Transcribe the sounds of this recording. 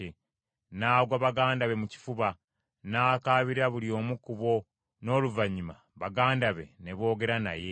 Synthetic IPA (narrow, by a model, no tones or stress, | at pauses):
e | naːɡwaβaɡaːndaβe̞muci̥fuβa | naːkaːβiɾaβulio̞ːmukuβo̞ | no̞ːluvaɲima | βaɡaːndaβe̞̰ne̞βo̞ːɡe̞ɾana̰je